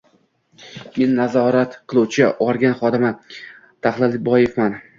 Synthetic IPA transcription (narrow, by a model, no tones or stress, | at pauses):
me̞nːazɒɾat̪qʰɨlˠuwt͡ʃʰɪʔɒɾɡʲanχɒd̪ɪma | t̪ʰaχlˠɪlɪbɒjefman